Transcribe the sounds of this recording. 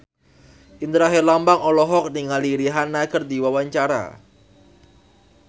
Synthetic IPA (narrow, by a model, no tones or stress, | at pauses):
ʔind̪ɾaɦɛrlambaŋɔlɔɦɔk̚niŋaliɾiɦanːaɡərdiwawaɲt͡ʃaɾa̰